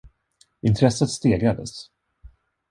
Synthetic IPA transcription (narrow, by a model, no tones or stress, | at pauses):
ɪnt̪ʰɾɛsːət̪st̪eːɡɾad̪ə̰s